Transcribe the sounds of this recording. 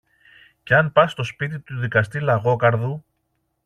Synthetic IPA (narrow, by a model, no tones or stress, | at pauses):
ce̞ɐnpɐsst̪o̞spit̪̬it̪uðikɐst̪ilɐɣo̞kɐɾðu